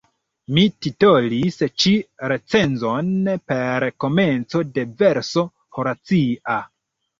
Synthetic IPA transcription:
mitito̞list͡ʃiɾe̞t͡se̞nzonpe̞ɾko̞me̞nt͡so̞de̞ve̞ɾso | hoɾat͡sia

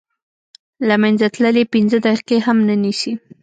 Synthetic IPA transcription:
lamanzat̪ləlepinzəd̪aqeɦamnənisi

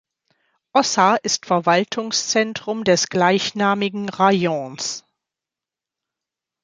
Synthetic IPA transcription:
ʔɔsaʔɪstfɛɐvaltʰʊŋst͡sɛntʁ̥ʊmdɛsɡ̥laɪçnaːmɪɡŋ̩ʁajɔ̃ns

